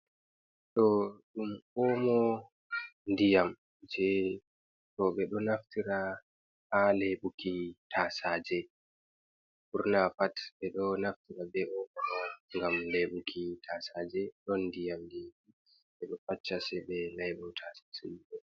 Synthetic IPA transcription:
ɗɔɗumɔmɔ | ndijam | d͡ʒɛ | tɔɓɛɗɔnaftiɾa | aleɓukʰitʰasad͡ʒɛ | kuɾnafatɓɛɗɔnaftiɾabɛʔɔɓɔɗɔŋɡamleɓukʰitʰasaːd͡ʒɛɗɔndijamdii | ɓɛɗɔfat͡ʃːasɛɓɛnajɓutʰasḁsuliɗɛ

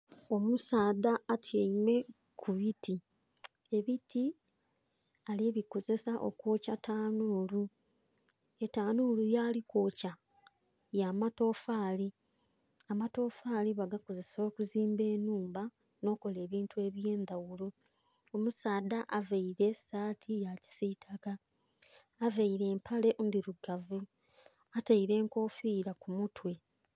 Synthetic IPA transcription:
o̞musaːdaːtʰjeime̞ | kʰuβiti | e̞βiti | aleːβiko̞zesaʔo̞̰kwo̞ːcatʰaːnuːlu | e̞taːnuːlujaːliko̞ːca | jaːmato̞faːli | amato̞ːfaːliβaɡakoze̞so̞ːkuziːmbe̞ːnuːmba | no̞ːko̞le̞ːβiːntue̞ːβje̞ːnd̪awulu | omusaːd̪aʔavaiɾe̞saːtʰijaci̥sitʰaɡaː | vaiɾe̞ːmpʰale̞ʔndiɾuɡavu | ataiɾe̞ːŋko̞ːfiːɾakumutwe̞

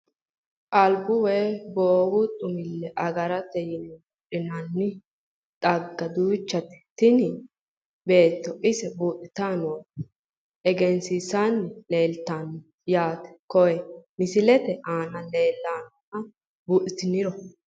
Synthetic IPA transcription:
ʔʼɐlbʊweboːwʊt̪ʼʊmɪlːɛʔɐɡɐɾɐt̪ːɛjɪnbʊɗɪnɐnːɪ | tʼɐɡːɐd̪uːt͡ʃːɐt̪ɪ̥t̪ɪnɪ | be̞ːt̪ːɔʔɪsɛbuːt̪ʼɪt̪aːnɔ | ɛɡɛnsisanːɪle̞ːlt̪aːnɔ | jaːt̪ɛ̥kɔwɛmɪsɪlɛt̪ɛʔaːnɐle̞ːlːaːnɔnɐ | bʊːʔɪt̪ɪnɪɾɔ

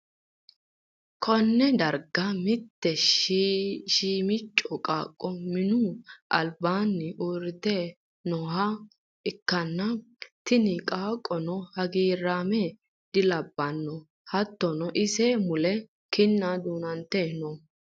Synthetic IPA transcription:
kʰɔnːɛd̪ɐɾɡɐmɪt̪ːɛʃ | ʃiːmɪt͡ʃʼːɔkʼaːkʼːɔmɪnuʔɐ̰lbaːnːɪʔuːɾɪt̪eː | nɔha | ɪkːɐnːɐt̪ɪnɪkʼaːkʼːɔnɔhɐɡiːɾːaːmɛ | d̪̥ɪlɐbːɐnːɔ | hɐt̪ːɔnɔʔɪsɛmʊlɛ | kɪnːad̪uːnɐnt̪ːeːnɔ

